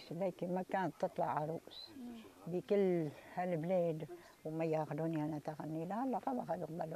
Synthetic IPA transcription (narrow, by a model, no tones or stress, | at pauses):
slaːkimakaːnt̪ːɨt̪ˤlɑʕaɾˤuʔsbɪkɪlːhalbleːd̪ | wmajaːxʊd̪uːniʔanat̪aɣanːilahɑlːɑqɑbaxad̪qbal